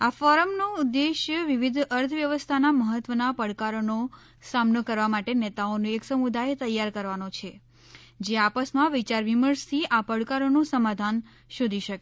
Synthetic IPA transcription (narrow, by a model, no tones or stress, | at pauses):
afɔɾəmnoud̪ːeʃjəʋiʋid̪ʱəɾt̪ʰʋjəʋəst̪ʰanaməɦət̪ʋənapəɽkaɾono | samnokəɾʋamaʈenɛt̪aonũeksəmud̪ajt̪əjːaɾkəɾʋanot͡ʃʰe | d͡ʒeapəsmãʋit͡ʃaɾʋiməɾst̪ʰiʔapəɽkaɾonũsəmad̪ʱan | ʃod̪ʱiʃəke